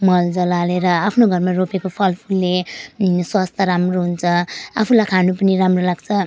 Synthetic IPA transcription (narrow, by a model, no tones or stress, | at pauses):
mʌld͡zʌlaleɾʌapʰnoɡʱʌɾmaɾopekopʰʌlpʰulːe | swast̪ʰʌɾamroɦunt͡sʰʌapʰulakʰanupʌniɾamrolaɡt͡sʰʌ